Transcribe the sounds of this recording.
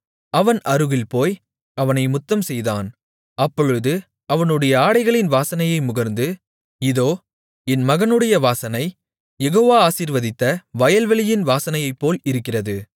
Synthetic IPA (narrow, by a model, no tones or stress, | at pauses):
ɐʋɐnʔɐɾɯɣɪlpoːj | ɐʋɐnɐɪmʊt̪ːɐmsɛjðaːn | ɐpːɔɻɯðɯ | ɐʋɐnɯɽɐjɐaːɽɐɪɣɐɭɪnʋaːsɐnɐjɐɪmʊɣɐɾnd̪ɯ | ɪðoː | ɛnmɐɣɐnɯɽɐjɐʋaːsɐnɐɪ | jɛɣoːʋaːaːsiːɾʋɐðɪt̪ːɐʋɐjɐlʋɐɭɪjɪnʋaːsɐnɐjɐɪpːoːlɪɾɯkːɪrɐðɯ